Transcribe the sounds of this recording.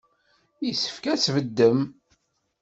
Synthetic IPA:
isə̥fkæsvəd̪ːəm

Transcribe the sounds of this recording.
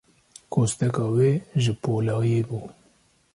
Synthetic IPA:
kost̪ekaweʒipolaɣebu

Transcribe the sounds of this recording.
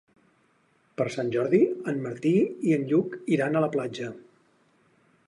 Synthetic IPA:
pəɾsanʲʒɔɾðiənmːəɾt̪iiənʎukiɾanələplad͡ʒə

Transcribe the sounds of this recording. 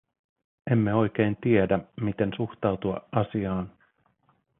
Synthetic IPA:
e̞mːe̞o̞jk̟eːnt̪iedæmit̪e̞nsuxt̪ɑwt̪uɑ̰ʔɑsiɑːn

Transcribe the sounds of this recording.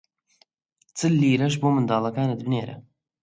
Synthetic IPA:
t͡sɨlːiːɾɐʒbuːmɨnd̪aːlˠɐkaːnɐd̪bneːɾɐ̰

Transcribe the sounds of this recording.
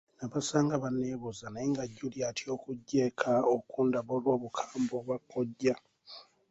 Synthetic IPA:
naβasaːŋɡaβanːeːβozanaeŋɡaɟːuljatʰjo̞ːkuɟːe̞ːkʰaokuːndaβolwo̞ːβukʰaːmboβwakːo̞ɟːa

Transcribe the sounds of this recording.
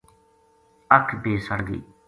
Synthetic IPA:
əkʰbeːsəɽɡḭː

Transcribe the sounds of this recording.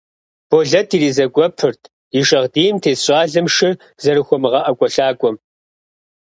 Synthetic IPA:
b̥oɮɐtʰiːɾiːzɐɡʷʼɔpʰɨrtʰ | iʃɐʁdiːjmtʰeːsɕʼaːɮɨmʂɪ | zɐɾɨxʷɔmɨʁɐʔɐkʷʼɔɬaːkʷʼɔm

